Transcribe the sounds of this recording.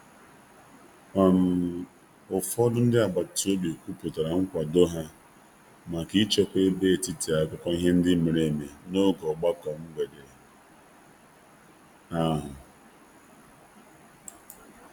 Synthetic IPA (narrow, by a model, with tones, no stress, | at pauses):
a˨m̩˨ | ʊ˨fɔ˦dʊ˦n̩˦dɪ˦a˨ba˨to˦bi˨o˨kʷu˦pʊ˨ta˨ɾa˨ŋ̩˦kʷa˨do˦ɦa˦ | ma˨ki˦t͡ʃe˦kʷe˦e˦be˦˨ti˦ti˨a˨kʷʊ˦kɔ˦i˦ɦe˦n̩˦dɪ˦me˨ɾe˦˨me˨no˦ɡɔ˨ɡ͡ba˦kɔ˨m̩˦ɡ͡bʷe˨de˨ | a˦ɦʊ˨